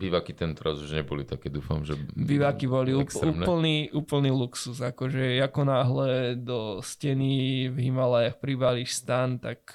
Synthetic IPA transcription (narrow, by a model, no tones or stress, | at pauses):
biːʋakit̪ɛnt̪ɛɾazuʒɲɛbɔlit̪akɛːd̪uːfamʒɛbiʋakibɔliuuɛl̩niʔuːpl̩niluksuzakɔʒɛakɔnaːɦlɛd̪ɔscɛnivɦimalajaxpɾibaliʃst̪ant̪ak